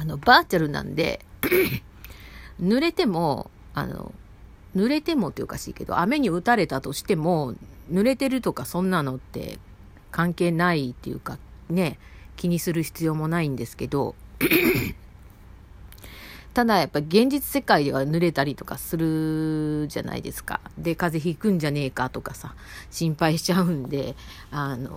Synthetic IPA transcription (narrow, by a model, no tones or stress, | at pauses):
ano̞baːt͡ɕaɾɯ̟nã̰nd̪e̞̰ | nɯ̟ɾe̞t̪e̞mo̞ | a̰no̰ | nɯ̟ɾe̞t̪e̞mo̞t̪ːeo̰kaɕḭːke̞d̪o̞̰ʔame̞ɲ̟iɯ̟t̪aɾe̞t̪at̪o̞ɕi̥t̪e̞mo̞nɯ̟ɾe̞t̪e̞ɾɯ̟t̪o̞kasõ̞nːano̞t̪ːe̞̰ | kãŋke̞ːnait̪ːe̞jɯ̟̰kane̞kʲiɲ̟isɨɾɯ̟çi̥t͡sɨjo̞ːmo̞naĩnd̪e̞sɨ̥ke̞d̪o̞̰ | t̪ad̪ajapːaɾʲiɡẽ̞ɲ̟d͡ʑit͡sɨ̥se̞kaid̪e̞βanɯ̟ɾe̞t̪aɾʲit̪o̞kasɨɾɯ̟ | ʑa̰na̰ḭd̪e̞̰sɨ̥ka̰d̪e̞kaze̞çikɯ̟̃ɲ̟d͡ʑane̞ːkat̪o̞kasa | ɕĩmpaiɕi̥t͡ɕaɯ̟̃nd̪e̞ | ano̞̰